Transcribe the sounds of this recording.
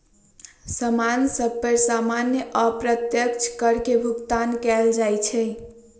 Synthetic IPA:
səmansəb̚pəɾsamanjəʔəpɾət̪jəkt͡ʃʰkəɾkebʱukt̪ankɛld͡ʒajt͡ʃʰɛ

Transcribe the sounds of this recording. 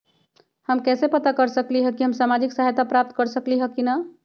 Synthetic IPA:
həmkɛsepət̪akəɾsəkliɦəkiɦəmsamad͡ʒiksaɦjt̪apɾap̚t̪kəɾsəkliɦəkina

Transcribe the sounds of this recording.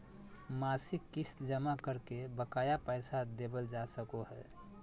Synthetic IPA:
masɪkːisd͡ʒəmakəɾkebəkaːjapəɪsad̪eːbəld͡ʒasəkoɦɛ̰

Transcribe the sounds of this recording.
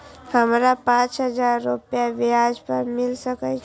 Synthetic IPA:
həmɾapãt͡ʃɦəd͡ʒaɾːupjaʋiad͡ʒpəɾmɪlsəkət͡ʃʰ

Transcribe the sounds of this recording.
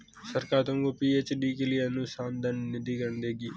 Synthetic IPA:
səɾkaːt̪õŋɡopiːeːt͡ʃɖiːkeliaːnũːsaːmd̪ənːɪd̪iːkəɳd̪eːɡiː

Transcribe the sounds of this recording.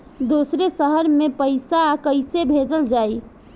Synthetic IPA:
d̪osɾesəɦəɾmepəjsaːkəjsebʱed͡ʒəld͡ʒaj

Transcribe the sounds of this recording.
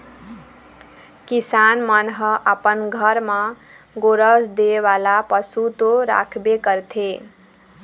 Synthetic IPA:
kisanmʌnɦəʔəpənɡʱʌɾma | ɡoɾəsd̪eβalapəsut̪oɾa̰kʰbekəɾt̪ʰe

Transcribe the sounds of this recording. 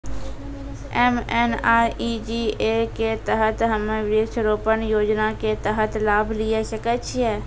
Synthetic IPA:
ɛmɛːnaːʔid͡ʒiːeːket̪ɐɦət̪ɦəmeʋɾeːkʃəɾoːpənjoːd͡ʒnaket̪əɦət̪laːblɪeʃəkət͡ʃʰiɛː

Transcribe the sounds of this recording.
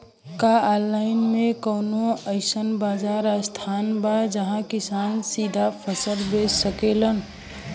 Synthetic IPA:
kaalːaɪnmẽkənoəɪsənbaːd͡ʒaːɾast̪ʰaːnbad͡ʒəɦãkɪsaːnsiːd̪ʱapʰəsəlbeːssəkelən

